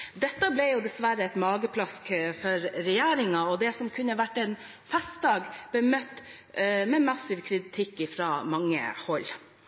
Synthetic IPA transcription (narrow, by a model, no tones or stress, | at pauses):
d̪ɛt̪ːəblɛjʊd̪ɛsʋæɾəɛt̪mɑːɡəpʰlɑskfɔɾɾɛjæːɾɪŋɑɔd̪ɛsɔmkʰʉnːəʋæʈːɛn | fɛst̪̚d̪ɑːɡb̥əmœt̪ː | mɛmɑsɪʋkʰɾɪt̪ʰɪkːɪfɾɑːmɑŋːə̰hɔl